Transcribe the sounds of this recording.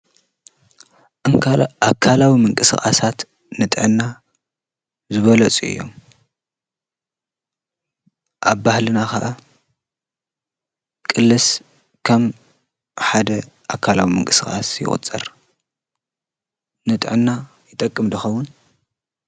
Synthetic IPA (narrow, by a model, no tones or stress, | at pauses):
akʰːalawimɨŋkʼɨsɨxʼa̰sat̪ | nɨt̪ʼʕɨnːa | zɨβɐlɐt͡sʼuɨ̰jːo̞̰m | ʔaβbahlɨnakaʔa | kʼɨlːɨs | kʰɐm | ħad̪ɐ | ʔakʰalawimɨ̰ŋkʼɨsɨxʼa̰sjɪ̰χʼʊ̰t͡sʼɨ̰ɾ | nɨt̪ʼʕɨnːa | jɪt̪ʼɐkʼːɨmd̪ɐxɐwːʊn